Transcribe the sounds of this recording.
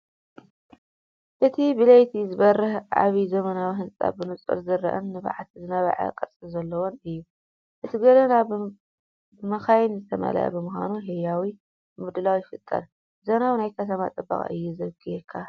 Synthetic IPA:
ʔɨt̪ʰibɨlɐjt̪ʰizɨβɐrɨhʔa̰βizɐmɐnawiɦɨnt͡sʼa̰bɨnut͡sʼɨ̰ɾzɨɾːɐ̰ʔɨ̰nnɨβa̰ʕat̪ʰzɨnɐβa̰ʕa̰kʼɐɾt͡sʼilzɐlːɐwonɨjːu | ʔɨt̪ʰiɡɐlɐna | ɨmɐxajɪnzɨt̪ʰɐmɐ̰lɐ̰jɐ̰bɨmɨxa̰nuɦijawi | mɨd̪ɨlawifɨt̪ʼːɐ̰ɾ | zɐnawinajkʰɐt̪ʰɐma̰t̪ʼɨba̰χʼɨ̰jːuzɐɡɨjekʰːa

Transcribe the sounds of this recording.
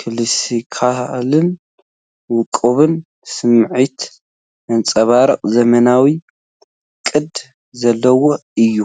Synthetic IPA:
kʰɨlɨsikʰalɨn | wʊkʼːɨβɨn | sɨmʕit̪ | ʔɨnt͡sʼɐβaɾɨqʼzɐmɐnawi | kʼɨd̪ | zɐlːɐwo | ɨjːu

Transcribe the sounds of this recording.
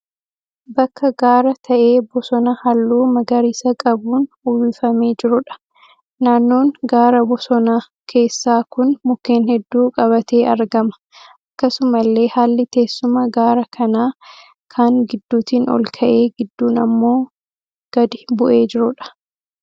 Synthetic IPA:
bɐkːɐɡaːɾɐt̪ʰɐʔe̞ːbɔsɔnɐhɐlːuːmɐɡɐɾiːsɐkʼɐbuːn | ʊwifɐme̞ːd͡ʒɪɾʊᶑɐ̥ | naːnːo̞ːŋɡaːɾɐbɔsɔnaː | kʰe̞ːsːaːkʊnmʊkːe̞ːnhɛd̪ːuːkʼɐβɐt̪e̞ːɐɾɡɐmɐ̥ | ʔɐkːɐsʊmɐlːe̞ːhaːlːɪt̪e̞ːsːʊmɐɡaːɾɐkʰɐnaː | kʰaːŋɡɪd̪ːuːt̪iːnɔ̰lkʰɐʔe̞ːɡɪd̪ːuːnɐmːo̞ː | ɡ̥ɐd̪ɪbʊʔe̞ːd͡ʒɪɾʊᶑɐ̥

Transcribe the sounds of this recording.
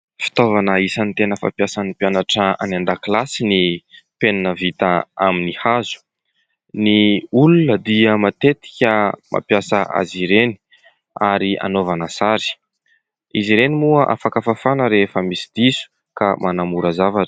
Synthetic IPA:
fi̥t̪ovanəisanit̪enəfa̰pjasənipjanaʈ͡ʂəa̰nand̪aklasinipenanəvit̪aaminihazu̥ | niulunəd̪iəmat̪et̪i̥kʲəmʔa̰pjasəʔa̰ziɾeni̥ | aɾia̰novanəsaɾi̥ | iziɾenimuəʔa̰fakafafanəɾefəmisi̥d̪isu̥ | kamʔanamuɾəzavaʈ͡ʂə̥

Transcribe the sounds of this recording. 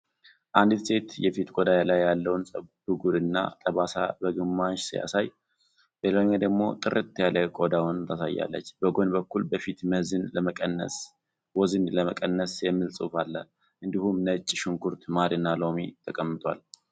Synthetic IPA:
ʔand̪ɨse̞t̪jɛfit̪ɡʼod̪ajalajːalːəwnsʼəd̪uɡuɾɨnːa̰t̪ʼəβasa̰bəɡɨmːaʃsɨja̰saj | b̥elaɲːad̪əɡmo̞̰t̪ʼɨɾɨt̪ʰːjaləkʼod̪awnt̪ʰəsa̰jːa̰lːə̰t͡ʃːbəɡo̞nbəkːulbəfit̪məhzɨnləməkʼənːə̰s | wɔzɨnləməkʼənːəsjɛmːɨlsʼufalːə | ʔɨnd̪ihumnət͡ʃʼːʃuŋkʰuɾt̪maɾɨnːalo̞mḭt̪ʰəkʼəmːɨt̪ʼwa̰l

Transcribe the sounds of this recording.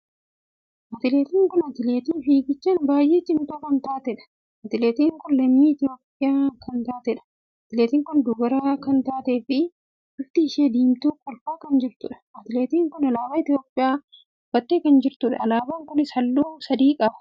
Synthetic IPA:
ʔɐt̪ɪleːt̪iːŋkʊnɐt̪ɪleːt̪iːfiːɡɪt͡ʃːaːnbaːjʔeːt͡ʃʼɪmt̪uːkɐnt̪aːt̪ɛᶑɐ̥ | ɐt̪ɪleːt̪iːŋkʊnlɐmːiːɪt̪ɪo̞ːpʼːɪjaːkʰɐnt̪aːt̪ɛᶑɐ̥ | ɐt̪ɪleːt̪iːŋkʊnd̪uːɡɐɾaːkɐnt̪aːt̪eːfɪ | ʊft̪ɪɪʃeːd̪iːmt̪uːkɔlfaːkɐnd͡ʒɪɾt̪ʊ̰ᶑɐ̥ɐt̪ɪleːt̪iːŋkʊnɐlaːbaːɪt̪joːpʼːɪjaː | bɐt̪ːeːkɐnd͡ʒɪɾt̪ʊᶑɐɐlaːbaŋkʊnɪsɐlːuːsɐd̪iːkʼɐbɐ̥

